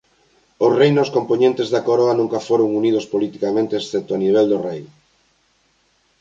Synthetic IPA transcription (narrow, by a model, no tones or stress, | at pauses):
orejnoskompoɲẽnt̪ezðakoɾoanũŋkafoɾoŋunið̞ospolit̪ikamẽnt̪eːsθɛp̚t̪oaniβ̞eld̪orej